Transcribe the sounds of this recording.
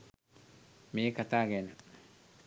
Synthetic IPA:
miekat̪aɡena

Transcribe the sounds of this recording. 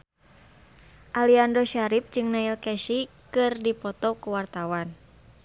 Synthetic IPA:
ʔaliandoʃaɾip̚d͡ʒɨŋnailkɛʃikɨrdipɔt̪ɔkuwart̪awan

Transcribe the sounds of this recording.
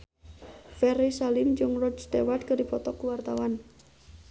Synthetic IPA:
fɛɾisalɪmd͡ʒʊŋrɔd͡ʒd̪ewad̪̚kəɾipɔt̪ɔkuwart̪awan

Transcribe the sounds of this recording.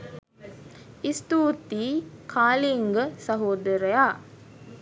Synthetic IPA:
ist̪uːt̪iːkʰaːliŋɡəsɐɦoːd̪əɾəjaː

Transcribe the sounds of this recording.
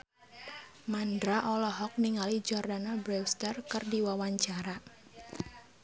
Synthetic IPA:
mandɾaʔɔlɔɦɔk̚niŋalid͡ʒɔrdanabɾɛwst̪arkɨrdiwawaɲt͡ʃaɾa

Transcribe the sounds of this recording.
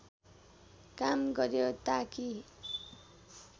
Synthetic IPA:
kamɡʌɾjot̪aki

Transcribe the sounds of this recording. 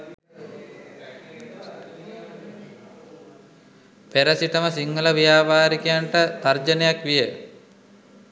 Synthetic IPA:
peɾəsit̪əməsiŋːələʋijaːʋaːɾikejaɳʈət̪ard͡ʒənejakʋijə

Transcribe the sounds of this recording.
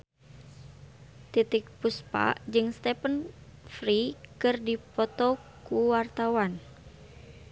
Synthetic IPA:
t̪it̪ik̚puspa̰ʔd͡ʒɨŋst̪ɛpənfɾikɨrdipɔt̪ɔ | kuwart̪awan

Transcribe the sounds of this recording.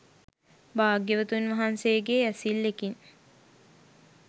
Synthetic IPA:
baːɡjəʋət̪unʋɐɦansejːɡeæsilːekin

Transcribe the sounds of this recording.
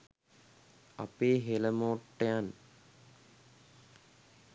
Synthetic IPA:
apeːɦeləmoːʈːejan

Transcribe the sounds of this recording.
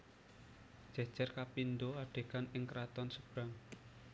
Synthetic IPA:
d̥ʒ̥a̤̥ʒ̥a̤rkapind̪oaɖ̥e̤kanɪŋkɾat̪ɔnsəb̥ɾaŋ

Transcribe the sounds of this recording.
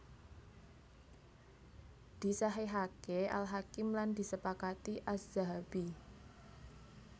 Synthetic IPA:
d̪̥i̤saɦeɦakeʔa̰lɦakɪmland̪i̤səpakat̪iʔasz̥aɦabi

